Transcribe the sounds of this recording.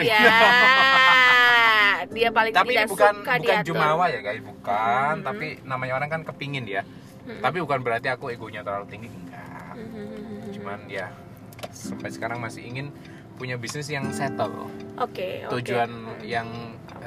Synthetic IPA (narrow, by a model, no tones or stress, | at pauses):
a | diapalɪŋt̪apibukanbukand͡ʒumawajaɡaibukant̪apinamaɲaoɾaŋkankəpiŋɪnija | t̪ap̬ibukanbəɾart̪iakueɡoɲat̪əɾalut̪iŋɡiŋɡa̰ | t͡ʃumanja | səmpat̪sə̥kaɾaŋmasɪhiŋɪn | puɲabisnɪsjaŋsɛt̪əlɔ̰ʔoket̪ud͡ʒuanjaŋ